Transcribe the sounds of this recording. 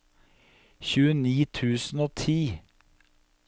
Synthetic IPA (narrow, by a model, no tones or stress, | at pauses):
çʉːəniːt̪ʰʉːsn̩oːt̪ʰiː